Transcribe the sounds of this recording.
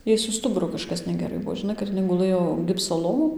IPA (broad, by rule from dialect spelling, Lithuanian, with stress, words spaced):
ˈjɛɪ sʊ ˈstʊbʊrʊ kɐʃˈkɐs nʲɛɡʲɛˈrɐɪ ˈbuɔ ʒʲɪˈnɐɪ kɐt ɪˈnɐɪ ɡʊˈlˠɘjoː ˈɡʲɪpsoː ˈlˠoːʋoːn